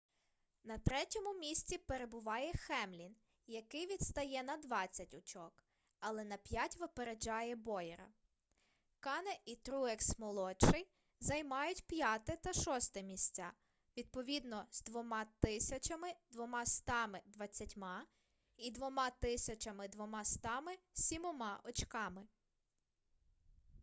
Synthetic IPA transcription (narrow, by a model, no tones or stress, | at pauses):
nɐt̪ɾɛtʲɔmʊmʲisʲt͡sʲipeɾebʊʋɑjɛxɛmlʲin | jɐkɪjʋʲid̪st̪ɐjɛnɐd̪ʋɑt͡sʲːɐtʲʊt͡ʃɔk | ɐlˠɛnɐpʲjatʲʋɪpeɾed͡ʒɑjɛbɔjɛɾɐ̰ | kɑnɛit̪ɾuɛksmɔlˠɔt͡ʃɪj | zɐjmɑjʊtʲpjat̪ɛt̪ɐʃɔst̪ɛmʲisʲt͡sʲa | ʋʲid̪̚pɔʋʲid̪nɔz̥d̪ʋɔmɑt̪ɪsʲɐt͡ʃɐmɪd̪ʋɔmɑst̪ɑmɪd̪ʋɐt͡sʲːɐtʲmɑ | id̪ʋɔmɑt̪ɪsʲɐt͡ʃɐmɪd̪ʋɔmɑst̪ɑmɪsʲimɔmɑʔɔt͡ʃkɑmɪ